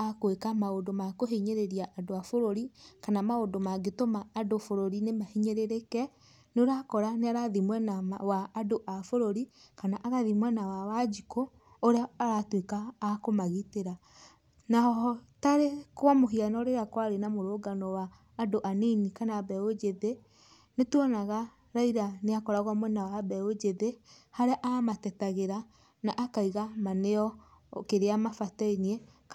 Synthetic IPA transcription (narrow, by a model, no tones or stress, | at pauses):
akwekamaodomakoɦeɲeɾeɾiaʔːdoafoɾoɾikanamaodomaɡetomaːdofoɾoɾinemahiɲeɾeɾekɛ | noɾakɔɾaneaɾaðimwɛnawaːdoʔafoɾoɾikanaʔaðaðimwɛnawawad͡ʒikoː | ɾeaːɾatwekaːkomaɣiteɾa | naɦɔɔtaɾekwamoɦianɔɾeɾakwaɾenamoɾoːɡanɔwaː | doʔaninikanaːbɛod͡ʒeðe | netuɔnaɣa | ɾaiɾaneakɔɾaɣwamwɛnawabɛod͡ʒeðe | haɾeaʔamatɛtaɣeɾa | naʔakaiɣamaneɔ | keɾeamafatainiɛ